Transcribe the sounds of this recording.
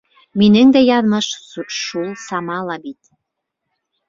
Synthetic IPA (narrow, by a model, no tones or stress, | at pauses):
minɘŋd̪æjɑðmɤʃʃulˠsɑmɑlˠɑbit̪